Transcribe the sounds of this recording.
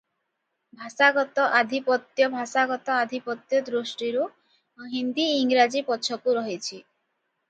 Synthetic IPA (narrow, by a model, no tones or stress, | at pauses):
bʱasaɡɔt̪ɔʔad̪ʱipɔt̪jɔbʱasaɡɔt̪ɔad̪ʱipɔt̪jɔd̪ɾusʈiɾu | ɦind̪iːŋɾad͡ʒipɔt͡ʃʰɔkuɾɔɦit͡ʃʰi